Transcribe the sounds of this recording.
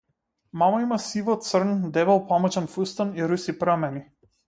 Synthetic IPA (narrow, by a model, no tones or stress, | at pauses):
mamaimasivɔt̪srnd̪ɛβɛlˠpamɔt͡ʃɛnfust̪aniɾusipɾamɛni